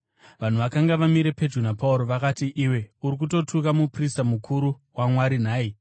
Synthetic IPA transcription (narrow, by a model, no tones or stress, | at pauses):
ʋan̤uʋakaŋɡaʋamiɾe̞pe̞d͡ʒrunapauɾo̞ʋakatiʔiwe̞uɾik̬uto̞tʰukamupristamukʰuɾu | wamwaɾin̤aːi